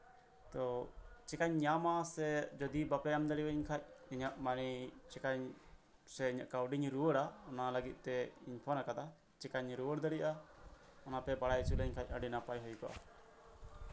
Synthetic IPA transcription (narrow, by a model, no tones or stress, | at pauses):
t̪ɔt͡ʃɛkaɲɲamasɛd͡ʒɔd̪ibapɛjamd̪əɽiwəɲkʰac̚iɲaʔmaɽ̃it͡ʃɛkaɲ | sɛiɲaʔkawɖiɲɾuwəɽaɔnaləɡit̪̚ˀt̪ɛiɲpʰɔnakad̪a | t͡ʃɛkaɲɾuwəɽd̪əɽiʔa | ɔnapɛbaɽajt͡ʃuləɲkʰac̚ˀaɖinapajɦɔjkɔʔa̰